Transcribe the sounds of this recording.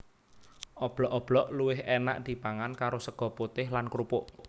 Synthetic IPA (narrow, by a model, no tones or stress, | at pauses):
ʔɔb̥lɔʔɔb̥lɔʔluwɪɦena̰ʔd̪̥i̤b̥a̤ŋankaɾosəɡ̥ɔ̤put̪ɪɦlankɾupʊʔ